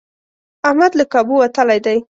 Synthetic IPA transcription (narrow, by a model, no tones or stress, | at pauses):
ahmad̪lakabuwat̪əlajd̪aj